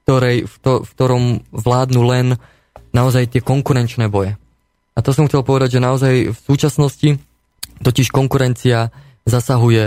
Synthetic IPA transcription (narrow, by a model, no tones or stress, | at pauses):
t̪ɔɾɛjfkt̪ɔfkt̪ɔɾɔmʋlaːd̪nuːlɛn | naɔzajt̪ɪɛkɔŋkuɾɛnt͡ʃnɛːbɔjɛ | ʔat̪ɔsɔmxt͡sɛlpɔʋɛd̪aɟʒɛnaɔzajfsuːt͡ʃasnɔsci | t̪ɔciʃkɔŋkuɾɛnt͡sia | zasaɦujɛ